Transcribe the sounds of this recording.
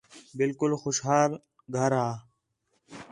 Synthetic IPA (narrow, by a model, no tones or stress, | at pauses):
bɪlkʊlxoʃɦaːl | ɡʱəɾaː